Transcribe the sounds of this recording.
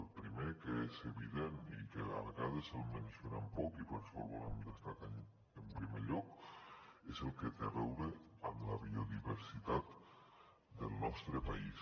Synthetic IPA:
elˠpɾimekeeseβiðenikea̰ɾɣaðesalˠmensoɾampɔkipeɾfoɾβoɾa̰md̪est̪akan | empɾimeʎɔk | ezelˠket̪eaβɛwɾeamlaβioðiβeɾsit̪at̪ | d̪elˠnɔst̪ɾepais

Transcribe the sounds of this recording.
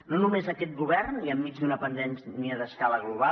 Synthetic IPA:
nonumezəkɛt̪̚ɡuβɛrniəmːid͡ʒd̪unəpənd̪ɛnsniəðəskaləɣluβ̞a

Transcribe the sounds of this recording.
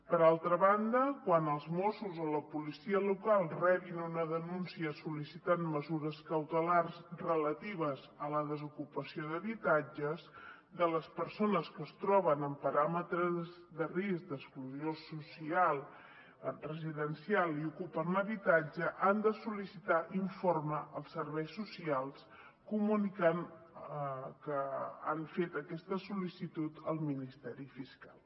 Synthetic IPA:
pəɾalˠt̪ɾəβand̪əkwanəlˠzmɔsuzoləpulisiəlukalˠrɛβinunəðənunsiəsulisit̪anməzuɾəskəwt̪əlarzrələt̪iβ̞əzələðəzukupəsioðəβit̪ad͡ʒəz | d̪ələspəɾsonəskəːst̪ɾɔβənəmpəɾamət̪ɾəz | ðərisk̚d̪əkskluziosusialˠ | rəziðənsialiukupənləβit̪ad͡ʒəʔand̪əsulisit̪aʔiɱforməəlˠsːəɾβɛjsːusialˠs | kumunikan | kəanɱfet̪əkɛst̪əsulisit̪ut̪əlˠminist̪ɛɾifiskalˠ

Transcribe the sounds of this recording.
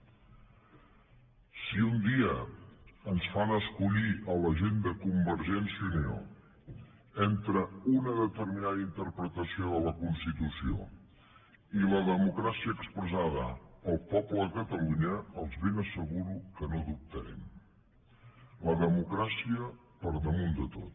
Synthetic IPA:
siund̪iə | ənsfanəskuʎiələʒend̪əkumbəɾʒɛnsuneo̰ | ɛnt̪ɾəunəðət̪ərminaðəint̪əɾpɾət̪əsioðələkunst̪it̪usio̰ | iləðəmukɾasiəːkspɾəzaðə̰əlˠpɔpləkət̪əluɲəəlˠzβenəsəɣuɾukənoðup̚t̪əɾɛ̰m | ləðəmukɾasiə | pəɾðəmund̪ət̪ot̪

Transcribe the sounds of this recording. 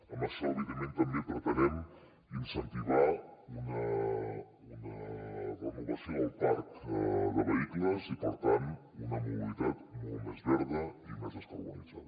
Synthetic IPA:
əmasaβiðəment̪əmbepɾət̪ənɛm | insənt̪iβaunə | unərənuβəsioəlˠpaɾkəðəβəikləzipəɾt̪an | unəmuβilit̪at̪mɔlˠt̪mɛzβɛɾðəimɛzəst̪ə̰βəniza̰ðə

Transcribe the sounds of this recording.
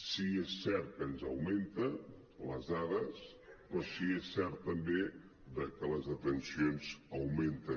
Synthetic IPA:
siesːɛɾt̪̚kənzəwment̪ə | ləzðaðəs | pɾɔsiesːɛɾt̪ːəmbe | ðəkələzðət̪ənsionzəwment̪ə

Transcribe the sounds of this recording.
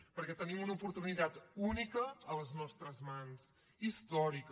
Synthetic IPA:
pəɾkɛt̪ənimunəupuɾt̪unit̪at̪unikəːləznɔst̪ɾəzmans | ist̪ɔɾik

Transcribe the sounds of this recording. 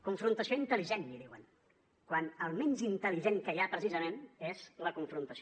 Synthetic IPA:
kuɱfɾunt̪əsioint̪əliʒenʎiðiwə̰n | kwanəlˠmɛnzint̪əliʒeŋkəjapɾəsizəmenezləkuɱfɾunt̪əsi

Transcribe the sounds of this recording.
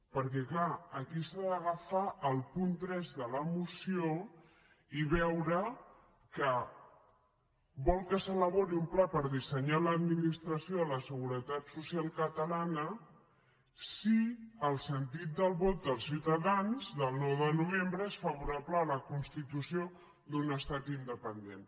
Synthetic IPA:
pəɾkɛklaːkisaðəɣ̞afaʔəlˠpunt̪ɾɛzðələmusio | iβ̞ɛwɾə | kə | βɔlˠkəsələβoɾiumplapəɾðisəɲaləːd̪minist̪ɾəsioələsəɣuɾət̪at̪susjalˠkət̪əlanə | siəlˠsənt̪it̪̚d̪əlˠβot̪̚d̪əlˠsiwt̪əðanzðəlˠnɔwðənuβ̞embɾəesfəβuɾapləːləkunst̪it̪usio | d̪unəst̪at̪ind̪əpənd̪en

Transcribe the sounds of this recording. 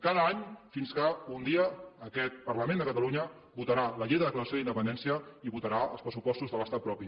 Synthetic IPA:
kaðəaɲfinskəund̪iəːkɛt̪̚pərləmend̪əkət̪əluɲə | but̪əɾaləʎejðəðəkləɾəsjoðind̪əpənd̪ɛnsiəiβut̪əɾaəlˠspɾəsupɔst̪uzðələst̪at̪̚pɾɔpi

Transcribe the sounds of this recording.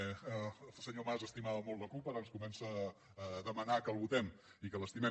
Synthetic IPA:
lˠsəɲomazəst̪imaβəmolˠt̪ləkulˠpəɾənskumɛnsəː | ðəmənakəlˠβut̪ɛm | ikələst̪imɛ

